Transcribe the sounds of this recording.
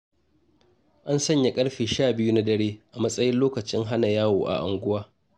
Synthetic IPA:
ʔa˦nsɐ˦ɲja˨kʼɐ˦ɽɸiː˨ʃaː˦˨bɪ˦ju˦na˦dɐ˦ɽeː˦ʔa˨mɐ˦sʼɐ˦jɪ˦nloː˦kɐ˨t͡ʃɪ˦ŋɦa˦na˨jaː˦wo̰ː˨ʔa̰˨ʔa˨ŋɡʷʊ˦waː˦

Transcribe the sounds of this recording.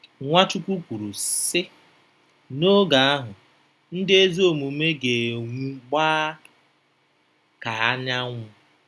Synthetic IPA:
ŋʷa˦t͡ʃu˦kʷu˦kʷu˨ɾu˨sɪ˦ | no˦ɡa˨a˦ɦʊ˨ | n̩˦dɪ˦e˦zo˦˨mu˨me˦ɡe˨ŋʷu˦ɡ͡baː˦ | ka˨a˦ɲa˦ŋʷʊ˦

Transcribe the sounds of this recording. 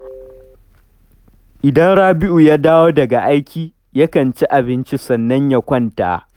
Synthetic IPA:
ʔɪ˨dɐ˦nɽaː˦bɪ˦ʔu˨ja˦daː˦woː˦dɐ˨ɡa˨ʔa˦jkʲiː˨ | ja˦kɐ˨nt͡ʃi˦ʔa˨bɪ˦nt͡ʃi˦sɐ˨nːɐ˦ɲja˦kʷɐ˦nta̰ː˨

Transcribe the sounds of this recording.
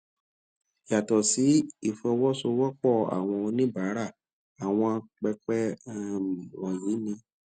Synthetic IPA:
ja˨tɔ˨si˨˦i˦˨fɔ˧wɔ˦so˧wɔ˦k͡pɔ˦˨a̰˨w̃ɔ̃˧o˧nĩ˦ba˨˦ɾa˦˨ | a˨w̃ɔ̃˧k͡pɛ˧k͡pɛ˦˨ | wɔ̃˨ji˨˦nĩ˧

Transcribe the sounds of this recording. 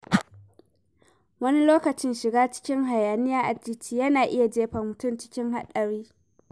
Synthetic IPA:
wɐ˦ni˦loː˦kɐ˨t͡ʃɪ˦nʃɪ˨ɡaː˦t͡ʃɪ̥˦kʲɪ˦ŋɦa˨jaː˨nɪ˦jaː˦ʔa˨d͡ʒɪ˦t͡ʃiː˦jɐ˦naː˨ʔɪ˦ja˨d͡ʒeː˦ɸɐ˨mʊ˨tʊ˦˨mt͡ʃɪ̥˦kʲɪ˦ŋɦa̰˦ɗɐ˨ɽiː˦

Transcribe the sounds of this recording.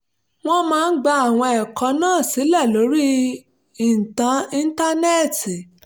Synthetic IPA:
w̃ɔ̃˦mãː˦n̩˦ɡ͡ba˧a˨w̃ɔ̃˧ɛ˨kɔ˨˧˦nãː˦˨si˨˦lɛ˦˨lo˨˦ɾi˦ | i˨n̩˨tã˨˦ĩ˦n̩˦ta˦ne˦˨ti˨

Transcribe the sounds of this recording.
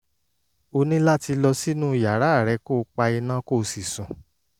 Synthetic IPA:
o˧nĩ˦la˦ti˧lɔ˧si˦nũ˦˨ja˨ɾa˨˦˨ɾɛ˨˧˦ko˦˨˧k͡pa˧i˧nã˦ko˦˨˧si˨sũ˨

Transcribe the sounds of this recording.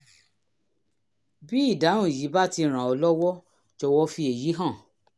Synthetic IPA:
bi˦i˦˨da˨˦ũ˦˨ji˨˦ba˦ti˧ɾ̃ã˨ɔ˧lɔ˦wɔ˦ | d͡ʒɔ˧wɔ˦fi˧e˨ji˨˦ɦã˦˨

